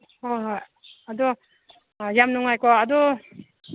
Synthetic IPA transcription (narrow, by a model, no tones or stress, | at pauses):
hojɦoj | adɔ | jamnuŋajkɔadɔ